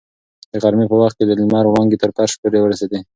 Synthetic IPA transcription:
d̪̥əɣaɾmipəwaxt̪̚kʲed̪əlimɑɾwaŋɡit̪əɾpaɾʃpoɾewəɾased̪e

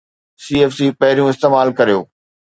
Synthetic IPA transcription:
siːeːfsipɐɦɪɾijũɪst̪eːmaːlkɐɾijoː

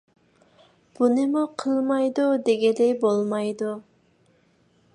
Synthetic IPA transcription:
b̥unɨmuqʰəlˠmɑjd̪ud̪eɡʲɛd̪ɛjbolˠmɑjd̪u

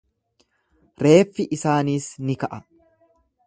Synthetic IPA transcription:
ɾe̞ːfːɪʔɪsaːniːsnɪkɐʔɐ

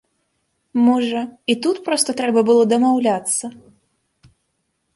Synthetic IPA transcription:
mɔʐɐit̪ut̪pɾɔst̪ɐt̪ɾɛbɐbɨlˠɔd̪ɐmawlʲat̪sːɐ

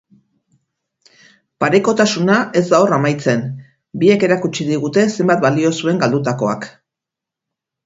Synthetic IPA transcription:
paɾe̞ko̞t̪asunae̞zd̪aoramajt͡se̞n | bie̞ke̞ɾakut͡ʃiðiɣ̞ut̪e̞se̞mbat̪̚balio̞sue̞ŋɡald̪ut̪ako̞a̰k

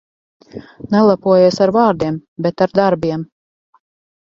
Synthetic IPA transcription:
nɛlˠapuɔjeɛsaɾvaːɾd̪iɛmbɛt̪aɾd̪aɾbiɛm

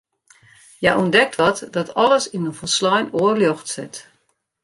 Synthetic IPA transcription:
jaʔɔndɛk̚tʰʋɔtdɔtʰɔləsinəfɔslɔjnoərljɔxtsɪt

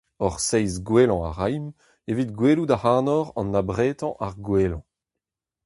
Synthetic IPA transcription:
ɔʁsɛjzɡwelɑ̃a̰ʁajm | evit̚ɡweːludahaːnɔʁɑ̰̃nːabʁeːt̪ɑ̃ʔaʁɡweːlɑ̰̃

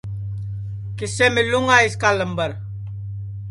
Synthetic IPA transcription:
kɪseːmɪluŋɡaːɪskaːləmbəɾ

